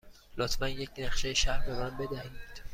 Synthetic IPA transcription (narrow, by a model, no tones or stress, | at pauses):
lɒːt̪ʰmænjecʰnæχʃejʃæɾbe̞mænbe̞d̪æhid̪̥